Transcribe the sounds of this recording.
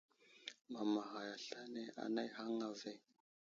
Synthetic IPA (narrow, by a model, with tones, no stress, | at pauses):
ma˨ma˨ɦa˨ja˨ɬa˦ne˦a̰˨na˦jɦa˦ŋa˨ve˦˨